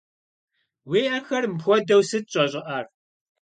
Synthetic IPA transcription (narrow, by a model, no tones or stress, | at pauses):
weːʔɐxɐrmpxʷɔdɐwsɨt̚ɕʼɐʑʼɪʔaːr